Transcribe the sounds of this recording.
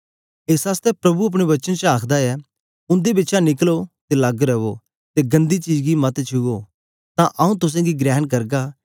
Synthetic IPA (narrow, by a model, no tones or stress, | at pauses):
eːsaːst̪ɛpɾɐbuɐp̬ɽ̃eʋɐt͡ʃənt͡ʃaːkʰd̪aɛ | ʊ̃nd̪ebɪtːʃãnɪklot̪elɐɡɾɐʋo | t̪eɡɐ̃nd̪it͡ʃiːd͡ʒɡimɐt̪t͡ʃʰuo | t̪ãʔɐũt̪ʊs̬ãɡiɡɾɛːɦnk̬ɐɾɡa